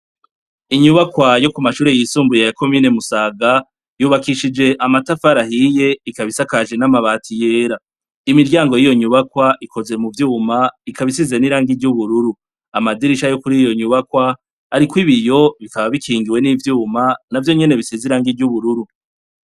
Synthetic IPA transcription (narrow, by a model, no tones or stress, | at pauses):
iɲuβakwajo̞kumaʃuːɾe̞jisuːmbujejako̞miːne̞musaːɡa | juːβakiʃid͡ʒe̞ʔamatafaɾahije̞ikaβisakaʒe̞namaβaːtʰijeːɾa | imiɾɟaːŋɡojijo̞ɲuβakwaʔikʰo̞ze̞muvjuːmaikaβis̬ize̞niɾaːŋɡiɾɟuβuɾuɾu | amadiɾiʃajo̞kuɾijo̞ɲuβakwa | aɾikwiβijo̞βikaβaβikʰiːŋɡiwe̞nivjuːmanavjo̞ɲe̞ne̞βisiziɾaːŋɡiɾɟuβuɾuɾu